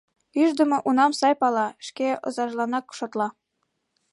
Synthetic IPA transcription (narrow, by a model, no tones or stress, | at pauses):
yʒd̪ə̆mɤ̆ʔunɑmsɑjpɑlɑʃkeɤ̰̆zɑʒlˠɑnɑkʃot̪lˠɑ